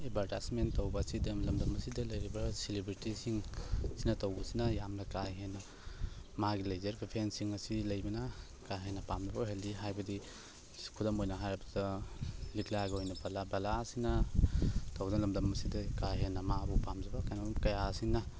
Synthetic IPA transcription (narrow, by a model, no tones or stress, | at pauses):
ebʱaɾtasmentɐwbɐsidɐmlɐmdɐmɐsidɐlɐjɾibɐsilibɾitisiŋsinɐtɐwbɐsinɐjamnɐkajɦenːɐ | maɡilɐjzɐɾbpʰensiŋɐsilɐjbɐnɐ | kaɦenːɐpamnabɐɦeldiɦajbɐdi | kʰudɐmojnɐɦajɐbɐdɐliklaɡojnɐbalabalasinɐ | tɐwdnlɐmdɐmɐsidɐkajɦenːɐmabupamd͡ʒɐbɐkajnamkɐjasiŋnɐ